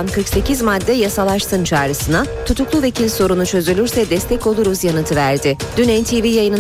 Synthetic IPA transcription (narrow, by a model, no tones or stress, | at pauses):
nkʰɯɾkse̞cizmad̪ːɛjasalˠaʃt̪ɯnt͡ʃʰaːɾɯsɯnat̪ʰut̪ʰuklˠuve̞cʰilʲso̞ɾunut͡ʃʰø̞zylʲyɾsɛd̪ɛst̪ʰɛco̞lˠuɾuzjanɯt̪ʰɯvæɾd̪ɪ | d̪̥ynɛnt̪ʰivijajɯnɯ